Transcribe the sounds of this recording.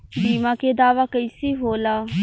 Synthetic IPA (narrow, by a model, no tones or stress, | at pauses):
biːmãːked̪aːʋaːkəisiːɦoːlaː